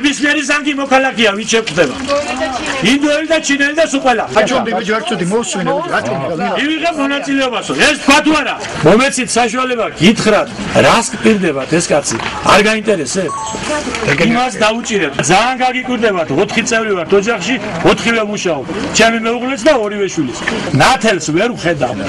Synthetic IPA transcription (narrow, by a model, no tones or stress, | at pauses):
bismiɛɾizaŋɡimɔkʰalakʰɛaviʃɛk̚ʼd̪ɛba̰ | ind̪ɔɛlid̪at͡ʃʰinɛlid̪asuqʼwɛlaat͡ʃʰɔd̪ɛɾsʰʼut̪imɔusminɛaɔmiviʁɛmɔnat̪sʼilɛɔbasɔɛst̪̚kʰwat̪ʰuaɾa | mɔmɛt̪sʰit̪ʰsaʃualɛbaɡit̪ʰχɾat̪ʰɾaskʼpʼiɾd̪ɛbat̪ʰɛskʼat̪sʰḭa̰ɾɡaint̪ʼɛɾɛsɛ | imasd̪aut͡ʃʼiɾɛt̪d̪zaːnɡaɡikʼwiɾd̪ɛbat̪ʰɔt̪ʰχit̪sʼɛvɾivaɾt̪ʰɔd͡ʒaχʃiɔt̪ʰχivɛmuʃaɔb̪t͡ʃʰɛmimɛuʁlɛt̪sʰd̪aɔɾivɛʃwilisnat̪ʰɛlsvɛɾuχɛd̪a̰v